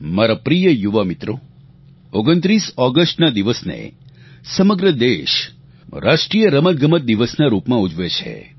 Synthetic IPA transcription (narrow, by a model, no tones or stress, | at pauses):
maɾapɾijəjuʋamit̪ɾo | oɡənt̪ɾisɔɡəsʈnad̪iʋəsnḛ | səməɡɾəd̪eʃ | ɾʔaʃʈɾijəɾəmət̪̚ɡʱəmət̪̚d̪iʋəsnaɾupmãud͡ʒʱʋet͡ʃʰḛ